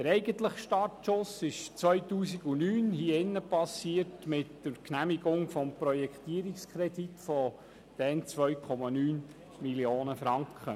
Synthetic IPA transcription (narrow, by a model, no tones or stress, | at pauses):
d̥əɾɛɪɡənt̪ləχʃtɑtʃʊsɪʃt͡sʋœɥtuːsiɡunyːnhiːɪnːəpɑsiərtmɪtːəɾknæmiɡʊŋfɔmpɾɔjɛkχt̪iəɾikskʰɾɛd̥itfɔ | d̥ɛnt͡sʋœɥkʰɔmɑnyːn | milioːnəfɾɑŋkχə